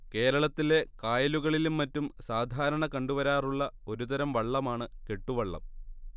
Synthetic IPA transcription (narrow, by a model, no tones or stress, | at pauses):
ke̞ːɾɐɭɐt̪ːile̞kaːjɐluɣɐɭilumːɐtːumsaːd̪ʱaːɾɐɳɐkɐɳɖuʋɐɾaːruɭːɐo̞ɾut̪ɐɾɐmʋɐɭːɐmaːɳɨke̞ʈːuʋɐɭːɐ̰m